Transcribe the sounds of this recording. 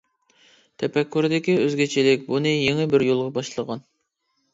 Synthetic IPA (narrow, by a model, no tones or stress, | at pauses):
t̪ʰɛpɛkʲʰːyɾd̪ɪkʲiøzɡʲet͡ʃʰilɪk̚ʲbunɨjeŋɨbɪɾjolˠʁɑbɑʃlˠəʁɑn